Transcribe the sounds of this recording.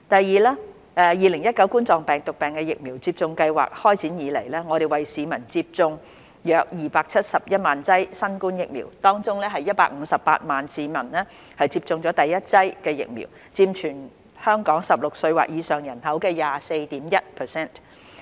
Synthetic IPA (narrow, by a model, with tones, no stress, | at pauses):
t̪ɐ˨jːiː˨laː˥ | ʔɛː˨˧jiː˨lɪ˨˩ŋjɐ˥t̚kɐ˨˥wkuː˥nt͡sɔː˨ŋpɛː˨ŋt̪ʊ˨k̚pɛː˨˩ŋkɛː˧jɪ˨k̚miː˨˩wt͡siː˧p̚t͡sʊ˧ŋkɐ˧jwa̰ː˨k̚hɔː˥jt͡sʰiː˨˥njiː˨˧le˨˩jlɛː˥ŋɔː˨˧ɾe˨˩jwɐ˨jsiː˨˧mɐ˨˩nt͡siː˧p̚t͡sʊ˧ŋ | jœː˨k̚jiː˨paː˧k̚t͡sʰɐ˥t̚sɐ˨p̚jɐ˥t̚maː˨nt͡sɐ˥jsɐ˥nkuː˥njɪ˨k̚mḭː˨˩wt̪ɔː˥ŋt͡sʊ˥ŋlɛː˥ɦɐ˨jːɐ˥t̚pa̰ː˧k̚ŋ̩˨˧sɐ˨ppa̰ː˧t̚maː˨nsiː˨˧mɐ˨˩nlɛː˥ | hɐ˨jt͡siː˧p̚t͡sʊ˧ŋt͡sɔː˨˥t̪ɐ˨jːɐ˥t̚t͡sɐ˥jkɛː˧jɪ̰˨k̚mḭː˨˩w | t͡siː˧mt͡ʃʰyː˨˩n | hœː˥ŋkɔː˨˥ŋsɐ˨p̚lʊ˨k̚sɵ˧ɥwa̰ː˨k̚jiː˨˧sœː˨˩ŋjɐ˨˩nɦɐ˨˥wkɛː˧jaː˨se˧jt̪iː˨˥mjɐ˥t̚pʰəː˨˩sɛː˥˩n